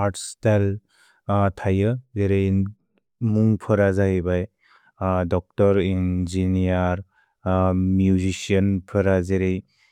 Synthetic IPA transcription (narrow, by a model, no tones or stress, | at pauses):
atstal | tʰajɯzeɾej | muŋpʰɯɾazaɦibaj | dɔk̚tɔɾinzinijaɾ | mjuzisiɔnpʰɯɾazeɾej